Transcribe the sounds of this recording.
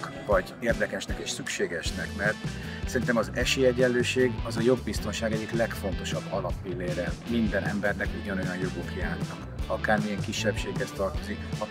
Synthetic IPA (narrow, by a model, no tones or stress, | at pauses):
k | vɒɟeːrd̪ɛkɛʃnɛkeːʃsykʃeːɡɛʃnɛkmɛrt̪ | sɛɾint̪ɛmɒzɛʃeːɛɟɛløːʃeːɡɒzɒjo̞bːist̪o̞nʃaːɡɛɟːiklɛkfo̞nt̪o̞ʃɒbːɒlɒpːilːeːɾɛmind̪ɛnʔɛ̰mbɛrnɛkuɟɒno̞jɒnjo̞ɡokjaːrnɒk | ɒkaːrmijɛŋkiʃːɛpʃeːɡhɛst̪ɒrt̪o̞zikɒ